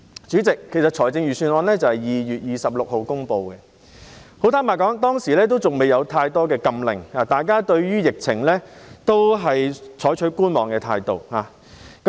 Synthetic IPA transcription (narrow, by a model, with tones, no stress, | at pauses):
t͡syː˨˥t͡sɪ˨kʰːe˨˩jsɐ˨t̚t͡ʃʰɔː˨˩jt͡sɪ˧ŋjyː˨˩syː˧nɔː˧nlɛː˥t͡sɐ˨whɐ˨jiː˨jyː˨t̚jiː˨sɐ˨p̚lʊ˨k̚ho˨wkʊ˥ŋpo˧wkɛ˧ | ho˨˥wt̪ʰaː˥maː˨˩kɔː˨˥ŋt̪ɔː˥ŋsiː˨˩lɛː˥t̪̬o˥wt͡sʊ˨ŋme˨jɐ˨˧wt̪ʰaː˧jt̪ɔː˥kɛː˧kɐ˧mlɪ̰˨˩ŋhaː˨t̪aː˨˩jkaː˥t̪ɵ˧ɥɥyː˥jɪ˨k̚t͡sʰɪ̰˨˩ŋlɛː˥t̪o˥wɦɐ˨jt͡ʃʰɔː˨˥jt͡ʃʰɵ˨˥ɥkuː˥nmɔː˨ŋkɛː˧t̪ʰa̰ː˧jt̪o̰˨˩whaː˨˩ | kɐ˦